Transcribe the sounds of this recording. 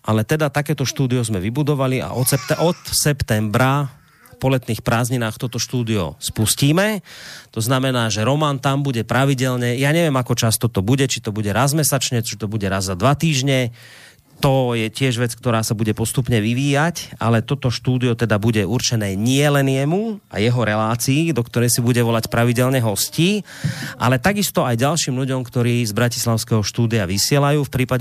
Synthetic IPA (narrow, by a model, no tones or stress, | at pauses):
ʔalɛt̪ɛd̪at̪akɛːt̪ɔʃt̪uːd̪iɔzmɛʋibud̪ɔʋalia̰ʔɔsɛpt̪ɛʔɔt̪sɛpt̪ɛmbɾa | pɔlɛt̪niːxpɾaːzɲinaːxt̪ɔt̪ɔʃt̪uːd̪iɔ̰spusciːmɛt̪ɔznamɛnaːʒɛɾɔmaːnt̪ambuɟɛpɾaʋiɟɛlɲɛjaːɲɛʋɪɛmakɔt͡ʃast̪ɔt̪ɔbuɟɛt͡ʃit̪ɔbuɟɛɾazmɛsat͡ʃɲɛt͡ʃit̪ɔbuɟɛɾazzad̪ʋat̪iːʒɲɛ | t̪ɔjɛcɪɛʒʋɛt͡sk̚t̪ɔɾaːsabuɟɛpɔst̪upɲɛʋiʋiːjaca̰lɛt̪ɔt̪ɔʃt̪uːd̪iɔt̪ɛd̪abuɟɛuɾt͡ʃɛnɛːɲɪɛlɛnjɛmuʔa̰jɛɦɔɾɛlaːt͡siːd̪ɔkt̪ɔɾɛjsibuɟɛʋɔlacpɾaʋiɟɛlɲɛɦɔsciː | ʔa̰lɛt̪aɡist̪ɔajɟalʃiːmʎuɟɔmkt̪ɔɾiːzbɾaci̥slaʊskɛɦɔʃt̪uːd̪iaʋisɪɛlajuːfpɾiːpaɟ